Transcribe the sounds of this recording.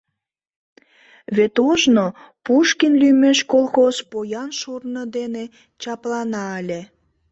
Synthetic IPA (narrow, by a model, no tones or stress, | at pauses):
βet̪oʒnopuʃkinlymeʃkolxoz̥pojɑnʃurnəd̪ene | t͡ɕɑplɑnɑəlʲe